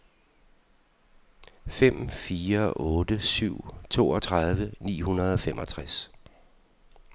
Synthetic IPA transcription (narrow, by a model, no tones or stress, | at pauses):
fem̰fiːɐʔɔ̽ːd̥əsyʊ̰t͡sʰo̝̰ːɒ̽t͡sʰʁɑð̞ˠʋənḭːhunɐð̞ˠɒ̽fem̰ʔɒ̽t͡sʰʁas